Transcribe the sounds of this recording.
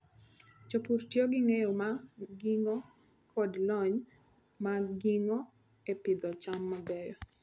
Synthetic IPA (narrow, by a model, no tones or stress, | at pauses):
t͡ʃopurtjoɡɪŋejomaɡiŋɔ | kʰɔdlɔɲ | maɡiŋɔ | epɪd̪ɔt͡ʃamːabɛjɔ